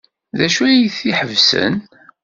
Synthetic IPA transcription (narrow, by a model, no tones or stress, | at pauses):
ðæʃujiθiħəvsə̰n